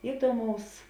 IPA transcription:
ɪˈduɔmɐʊs

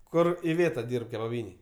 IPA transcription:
ˈkʊr ɪˈʋʲeːtɐ ˈdʲiːrp kʲɛbɐˈbʲiːnʲeːj

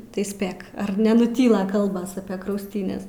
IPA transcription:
tɐɪ ˈsʲpʲeːk ɐr nʲɛnʊˈtʲiːlˠɐ ˈkɐlˠbɐs ɐpʲiɛ krɐʊsʲˈtʲiːnʲɛs

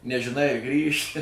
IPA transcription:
nʲɛʒʲɪˈnɐɪ ɐ ˈɡrʲiːʃʲɪ

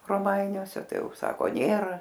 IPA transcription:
roːˈmɐɪnʲuɔsʲɛ ˈtɐɪ ˈjɛʊ ˈsɑːkoː ˈnʲeːrɐ

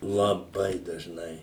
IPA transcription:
lˠɐˈbɐɪ dɐʒˈnɐɪ

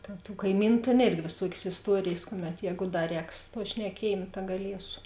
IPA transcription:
tʲeːn tʊ ˈkɐɪmʲiːnʊ ˈtʲeːn ˈeːrʲɡʲɪ ʋʲeːˈsuɔkʲeːs ɪsˈtuɔrʲeːjeːs ˈkʊˌmʲɛt ˈjɛːɡʊ ˈdɐ ˈrʲɛːks tuɔ ʃʲnʲɛˈkʲiɛjeːm tɐ ɡɐˈlʲiɛsʊ

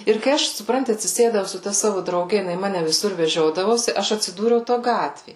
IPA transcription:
ɪr kɐɪ ˈɐʃ sʊˈprɐnʲtʲɪ ɐtʲsʲɪˈsʲeːdɐʊ sʊ ˈtɐ ˈsɑːʋʊ drɐʊˈɡʲɛ jɪˈnɐɪ ˈmɑːnʲɛ ʋʲɪˈsʊr ʋʲɛˈʒʲoːdɐʋoːsʲɪ ˈɐʃ ɐtʲsʲɪˈduːrʲɛʊ ˈtoː ˈɡɑːtʲʋʲeː

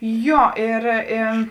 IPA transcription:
ˈjoː ɪr ɪ

